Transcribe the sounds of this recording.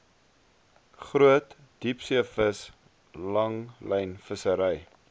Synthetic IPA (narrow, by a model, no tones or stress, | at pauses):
χruət | d̥ipsiəfəs | lɐŋləjnfəsəɾəj